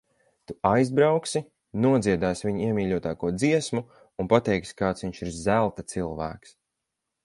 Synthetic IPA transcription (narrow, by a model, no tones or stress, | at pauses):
t̪uajzbɾawksi | nuɔd̪ziɛd̪aːsviɲiɛmʲiːʎʲuɔt̪aːkuɔd̪ziɛsmu | unpat̪ɛjkskaːt̪sviɲʃiɾzælˠt̪at̪silˠvæ̰ːks